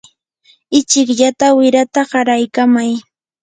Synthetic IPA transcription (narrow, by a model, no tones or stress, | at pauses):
ɪt͡ʃɪkʎat̪awɪɾat̪aɢɑɾajkamaj